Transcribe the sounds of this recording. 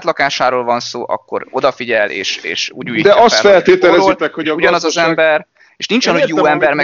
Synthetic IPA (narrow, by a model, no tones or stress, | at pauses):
t̪lɒkaːʃaːɾoːlvɒnsoːʔɒ̰kːo̞̰ɾo̞d̪ɒfiɟɛlʔḛːʃḛːʃṵːɟuːjd̪ɛɒst̪fɛlt̪eːt̪ɛlɛozlt̪ɛkhouɟɒnɒzɒzɛmbɛr | eːʃninɲt͡ʃɒnhoɟjoːɛmbɛrmɛ